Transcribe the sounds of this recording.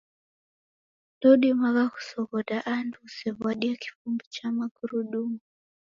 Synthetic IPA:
dɔɗimaɣaku̥sɔɣɔdaʔandusɛβaɗiaki̥fumbit͡ʃamaɡuɾuɗumu

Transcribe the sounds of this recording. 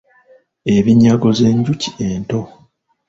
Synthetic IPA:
e̞βiɲaɡo̞ze̞ːɲɟuci̥e̞nto̞

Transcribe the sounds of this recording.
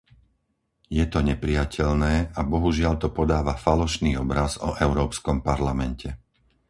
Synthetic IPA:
jɛt̪ɔɲɛpɾɪjacʰɛʎnɛːʔabɔɦuʒɪaʎt̪ɔpɔd̪aːʋafalɔʃniːɔbɾazɔ̰ʔɛʊɾɔːpskɔmpaɾlamɛncʰɛ

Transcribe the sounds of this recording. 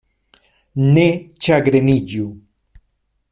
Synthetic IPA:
net͡ʃaɡɾeniɟu

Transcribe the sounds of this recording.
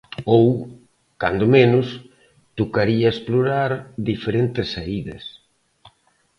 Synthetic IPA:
ow | ka̰nd̪ʊmenʊs | t̪okaɾiaesploɾaɾðifeɾent̪ɪsːaiðɐ̰s

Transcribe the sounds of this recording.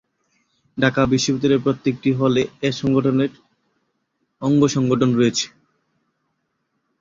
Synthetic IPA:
ɖakabiʃːobit̪ːoɾeɾpɾot̪ːek̚ʈiɦoleeʃɔŋɡoʈʰoneɾ | ɔŋɡoʃɔŋɡoʈʰonɾoet͡ɕʰe̥

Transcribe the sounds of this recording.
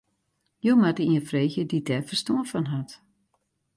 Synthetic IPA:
jowmatəiənfreːxjədidɛfərstoəfɔnɦat

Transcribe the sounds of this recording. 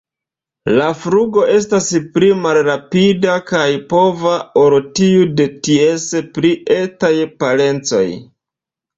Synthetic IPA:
lafɾuɡo̞ʔe̞s̬taspɾimalɾapidakajpo̞vaoɾotiude̞tiespɾiʔe̞tajpale̞nt͡so̞̰j

